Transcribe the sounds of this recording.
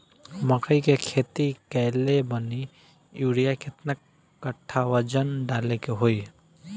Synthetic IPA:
məkəikekʰeːt̪ikɛːlebəni | juːɽijakɪt̪nəkː | əʈʰːaʋəd͡ʒənɖaːlekeɦoi

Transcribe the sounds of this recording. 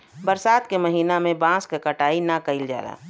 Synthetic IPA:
bəɾsaːt̪kemɐɦiːnamẽbãːskekəʈaːinakəɪld͡ʒa̰ːɾa̰ː

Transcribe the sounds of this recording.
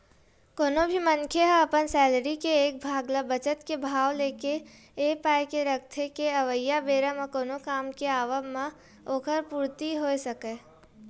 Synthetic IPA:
koːnobʱimənkʰeɦə̃ɐpənsɛːlɾikeeːk̚bʱaːɡlabət͡ʃət̪kebʱaːʋleːke | eːpaːjkeɾək̚ʰt̪ʰekeɐʋəjːabeːɾəmakoːnokaːmkeaːʋəmã | oːkʰəɾpuːɾt̪iɦoːesəkeː

